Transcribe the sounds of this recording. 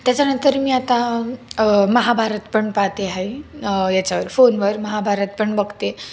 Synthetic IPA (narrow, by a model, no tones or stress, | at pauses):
t̪jat͡ɕanənt̪əɾmiːat̪a | məɦabʱaɾət̪pəɳpat̪eɦajjat͡ɕaʋəɾfonʋəɾməɦabʱaɾət̪̚pəɳbəɡt̪e